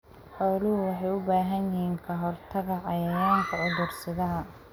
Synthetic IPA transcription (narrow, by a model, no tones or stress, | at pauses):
ħɔːlʊhʊwɑħɑjʊbaːɦɐnjɪɦiːŋkʰɐɦɔrt̪ʰɐɣɐʕɑjɐjaːŋk̪ʰɐʕʊðʊrsɪðɐɦɐ